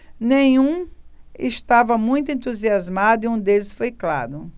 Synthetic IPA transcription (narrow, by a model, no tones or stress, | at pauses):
nẽj̃ũɪst̪avɐmũj̃t̪̬ʊẽnt̪uziazmad̪ʊiũd̪elɪsfojkla̰ɾʊ